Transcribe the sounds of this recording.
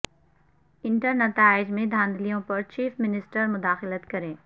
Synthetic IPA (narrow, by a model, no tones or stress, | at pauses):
ɪ̃ɳʈəɾnɐt̪aːɪd͡ʒmẽd̪ʱãːnd̪ʱlijõpɐɾt͡ʃiːfmɪnɪsʈəɾmʊd̪aːxɪlət̪kɐɾẽː